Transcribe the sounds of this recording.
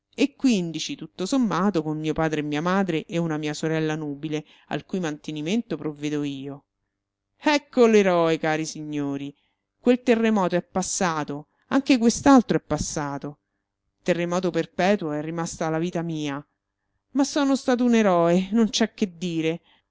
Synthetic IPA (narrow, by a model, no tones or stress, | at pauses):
ekːwind̪it͡ʃit̪ut̪ːosomːaːt̪okonmmiːopaːd̪ɾemːiːamaːd̪ɾeʔɛunamiːasoɾɛlːanuːbile | a̰lkujmant̪eniment̪opɾovːeːd̪oiːo | ɛkʰːoleɾɔekaːɾisiɲːoːɾi | kwelt̪erːemɔːt̪oɛpːasːaːt̪o | aŋk̟ek̬west̪alt̪ɾoɛpːasːaːt̪o | t̪erːemɔːt̪operpɛːt̪woɛrːimast̪alːaviːt̪amiːa | masːɔːnost̪aːt̪̬ouneɾɔːenont͡ʃɛkːed̪ːiːɾe